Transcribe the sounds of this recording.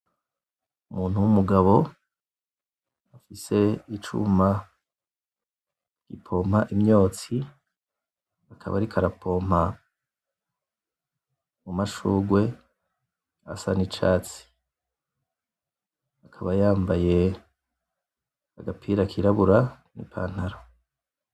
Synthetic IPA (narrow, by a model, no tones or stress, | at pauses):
umuːnhuwumuɡaβo̞ | afise̞it͡ʃṵma | ɡ̥ḭpʰo̞mhaʔimɲo̞ːt͡si | akʰa̰βa̰ɾikʰaɾapʰo̞m̥ha | mumaʃuːɡwe̞ | a̰sa̰nit͡ʃaːt͡si̥ | akʰaβajaːmbaje̞ | aɡapʰiɾakʰiɾaβuɾa | nḭpʰa̰ːn̥haɾo